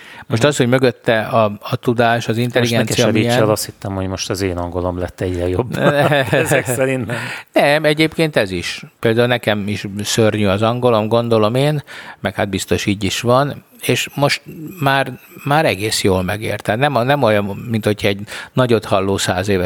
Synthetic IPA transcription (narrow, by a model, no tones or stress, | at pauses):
mo̞ʃt̪ɒsho̞ɟmøɡøt̪ːɛɒɒt̪ud̪aːʃɒzint̪ɛlːiɡɛnsijɒɛmɡiɛlɒst̪hit̪ːɛmhoɟmo̞ʃt̪ɒzeːnɒŋɡolomlɛt̪ːɛɟrɛjobɛɛksɛɾinnɛmɛɟeːpkeːnt̪ɛziʃpeːld̪aːulnɛkɛmiʃsørɲyɒzɒŋɡo̞lo̞mɡo̞nd̪o̞lo̞meːnmɛkhad̪̚bist̪o̞ʃiːɟiʃʋɒn | eːʃmo̞ʃt̪maːrmaːɾɛɡeːsjoːlmɛ̰ɡḛːrt̪aːt̪nɛmnɛmojɒmmint̪ho̞cʰɒɛɟnɒɟo̞t̪hɒlːoːsa̰ːzeːvɛ